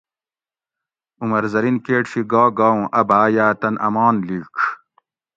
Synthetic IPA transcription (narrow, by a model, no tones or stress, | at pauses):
umɐɾzɐɾinkeːʈɕiɡaːɡaːũʔɐbaːjaːt̪ɐnʔɐ̰maːnliːk